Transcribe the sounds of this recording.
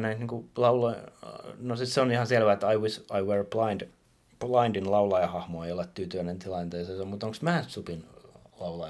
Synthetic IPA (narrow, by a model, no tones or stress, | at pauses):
næit̪niŋkulɑuloinosisseonihɑselʋæet̪ːɑiʋisɑiwerplɑind | plɑindinlɑulɑjɑhɑhmoeiolet̪t̪yːt̪yʋænent̪ilɑint̪eiseːsommut̪oŋksmæːt̪supinlɑulɑ